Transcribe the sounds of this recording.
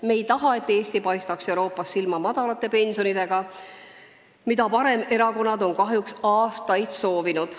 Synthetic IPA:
me̞jt̪ɑɦɑe̞t̪ːˑe̞ːst̪ipɑjst̪ɑkse̞wɾo̞ːpːˑɑsːilmɑmɑd̪̥ɑlɑt̪ˑːe̞pe̞nʲso̞nid̪̥e̞ɡ̥ɑ | mid̪ɑpɑɾe̞me̞ɾɑko̞nːɑd̪o̞nkɑɦjuksɑːst̪ɑjd̪̥so̞ːvinud̪̥

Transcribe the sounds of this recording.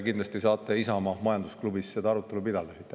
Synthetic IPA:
kind̪lɑst̪isɑːt̪ːˑeisɑmɑmɑjɑnd̪usklubisːed̪ɑɑɾut̪ːˑe̞lupid̪̥ɑlesit̪ːˑ

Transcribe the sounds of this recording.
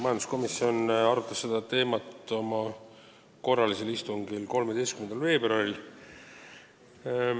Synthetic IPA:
mɑjɑnd̪̥usko̞misːio̞nɑɾut̪ːˑɑsːe̞d̪̥ɑt̪e̞ːmɑt̪ˑo̞mɑ | ko̞rːɑliselist̪uŋɡilko̞lmed̪e̞jst̪kymend̪ɑlve̞ːbrɑril

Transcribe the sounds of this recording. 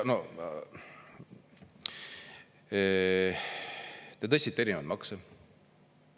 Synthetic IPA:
no | t̪et̪ɤst̪ʲit̪ːˑe̞ɾinevɑlt̪mɑkse

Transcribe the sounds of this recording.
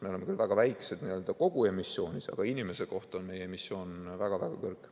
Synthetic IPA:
me̞o̞le̞mekylvæɡ̥ɑvæjksed̪̥niøːld̪̥ɑko̞ɡ̥ue̞misːo̞ːnʲisɑ̰ɡ̥ɑinʲime̞se̞ko̞ht̪o̞nmejeemisːo̞ːnvæɡ̥ɑvæɡ̥ɑkɤrkˑ

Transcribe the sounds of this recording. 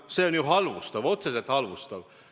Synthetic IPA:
seonjuɦɑlvust̪ɑʋo̞t̪seset̪hɑlʋust̪ɑʋ

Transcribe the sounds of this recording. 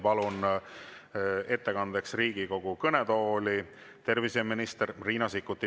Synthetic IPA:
pɑlun | e̞t̪ːe̞kɑnd̪e̞ksriːɡ̥iko̞ɡ̥ukɤneɛt̪o̞ːli | t̪e̞rviseminist̪erriːnɑsikːˑut̪ːˑi

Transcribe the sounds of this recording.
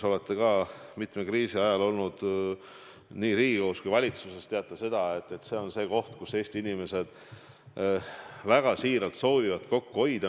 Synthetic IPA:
so̞le̞t̪ˑːe̞kɑːmit̪mekriːsiɑjɑlo̞lnud̪̥ | niːɾiːɡiɡo̞ːskujvɑlʲit̪suse̞st̪eɑt̪ˑːɑse̞d̪̥ɑe̞t̪ːˑe̞t̪se̞ːo̞nse̞ːko̞ht̪kuse̞ːst̪iinime̞se̞d̪̥ | væɡ̥ɑsiːɾɑlt̪so̞ːvivɑt̪ˑko̞kːuo̞jd̪ɑ

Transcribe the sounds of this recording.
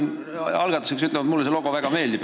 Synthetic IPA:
n | ɑlɡ̥ɑt̪ːˑu̥seksyt̪lɛvɑd̪mulːes̬eloɡ̥o̞væɡ̥ɑme̞ːld̪ip

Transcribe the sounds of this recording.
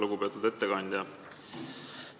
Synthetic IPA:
luɡupe̞ɑt̪ːˑud̪e̞t̪ːeɡɑnʲd̪ʲjɑ

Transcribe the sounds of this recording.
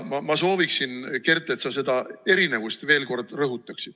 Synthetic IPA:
mɑmɑso̞ːviksinke̞rt̪ˑːe̞t̪sɑse̞d̪ɑe̞ɾine̞vust̪ve̞ːlko̞rd̪rɤɦut̪ːˑɑksid̪̥

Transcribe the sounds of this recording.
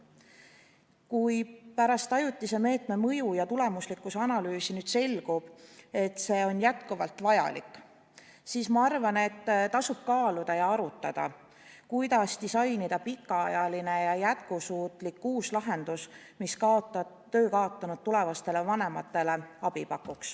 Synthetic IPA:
kujpæɾɑst̪ɑjut̪ːˑise̞me̞ːt̪ˑme̞mɤjujɑt̪ule̞muslikːˑuseɑnɑlyːsinyːd̪̥se̞lɡ̥ub̥e̞t̪ːˑse̞ːo̞njæt̪kuvɑlt̪vɑjɑ̰likːˑ | siːsmɑɑrvɑne̞t̪ːt̪ɑsub̥̚kɑːlud̪̥ɑjɑɑɾut̪ːˑɑd̪̥ɑ̰ | kujd̪ɑst̪isɑjnid̪̥ɑpikːˑɑɑjɑline̞jɑjæt̪̚kusuːt̪ˑlikːuːslɑɦe̞nd̪̥us | miskɑot̪ːɑ | t̪ːø̞ːkɑot̪ːˑɑnud̪̚t̪ːule̞vɑst̪e̞le̞vɑne̞mɑt̪ːˑe̞le̞ɑb̥ipɑkːˑuks

